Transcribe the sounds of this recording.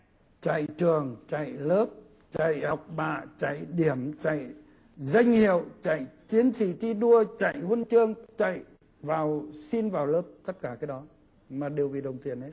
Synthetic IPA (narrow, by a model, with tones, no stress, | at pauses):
t͡ɕa̰˧˨jt͡ɕɨ˨˩əŋt͡ɕa̰˧˨jləː˦˥p̚ | t͡ɕa̰˧˨jhɔ˨˩wk͡p̚ɓa̰ː˧˨t͡ɕa̰˧˨jɗi˧˩əmt͡ɕa̰˧˨j | za˧jŋ̟hi˧˨əwt͡ɕa̰˧˨jt͡ɕi˨˦ənsi˧˩t̪i˧ɗu˧ət͡ɕa̰˧˨jhə˧nt͡ɕɨ˧˩əŋt͡ɕa̰˧˨j | vaː˨˩wsi˧nvaː˨˩wləː˦˥p̚t̪ə˦˥t̚kaː˧˩kaː˨˦jɗɔ˨˦ | maː˨˩ɗe˨˩wvḭ˨˩ɗə˨˩wŋ͡mt̪i˨˩əne˨˦